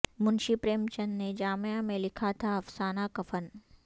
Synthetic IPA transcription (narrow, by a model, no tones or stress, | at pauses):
mʊnʃipɾeːmt͡ʃɐnːed͡ʒaːmjamẽlɪkʰat̪ʰaɐfsaːnakɐfən